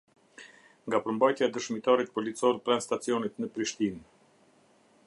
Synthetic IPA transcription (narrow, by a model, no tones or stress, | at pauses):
ŋɡapəɾmbajt̪jaɛd̪əʃmit̪aɾit̪̚pɔlit͡sɔɾpɾanst̪at͡siɔnit̪nəpɾiʃt̪in